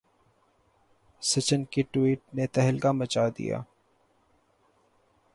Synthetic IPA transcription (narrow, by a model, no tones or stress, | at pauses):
sɪt͡ʃənkiʈwiːʈ̚net̪ɛɦəlkamɐt͡ʃad̪ḭja̰ː